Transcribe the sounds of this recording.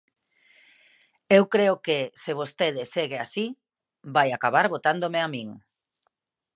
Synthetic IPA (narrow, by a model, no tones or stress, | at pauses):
ewkɾeokeseβost̪eðɪseɣeasi | bajakaβaɾβot̪and̪omeamĩŋ